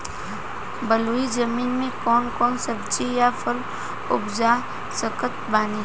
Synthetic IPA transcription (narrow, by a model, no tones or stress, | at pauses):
bəluːid͡ʒəmiːnmẽkɔːnkɔːnsəbt͡ʃijafʰəl | ʊ̰bd͡ʒa | səkət̪̚baːni